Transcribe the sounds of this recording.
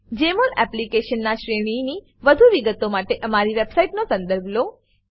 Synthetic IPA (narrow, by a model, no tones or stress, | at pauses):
d͡ʒemolɛplikeʃənːaʃɾeɽ̃ini | ʋəd̪ʱuʋiɡət̪omaʈeʔəmaɾiʋebsaiʈnosə̃nd̪əɾbʱlo